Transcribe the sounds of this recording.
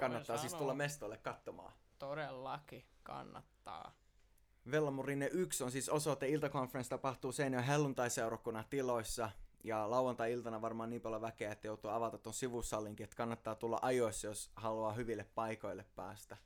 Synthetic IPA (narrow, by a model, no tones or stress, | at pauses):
kɑnːɑt̪ːɑːsiːst̪ulːɑmest̪oilːekkɑt̪ːomɑ̰ː | t̪oɾelːɑkikɑ̰nːɑ̰t̪ːɑ̰ː | ʋelːɑmurinːeʔyksonsiːsosoet̪ːæilt̪ɑkonferenst̪ɑpɑht̪uːseinoɦelːunt̪ɑiseuɾɑkːunːɑt̪iloisːɑjɑlɑuʋɑnt̪ɑjilt̪ɑnɑʋɑrmɑːniːmpɑljoʋækeæet̪ːæjout̪uɑɑʋɑt̪ɑt̪ːonsiʋusːɑlːiŋkiet̪ːkɑnːɑt̪ːɑːt̪ulːɑ̰ʔɑjoisːɑjoshɑluɑːɦyʋilːeppɑiko̞ilːeppæ̰ːst̪æ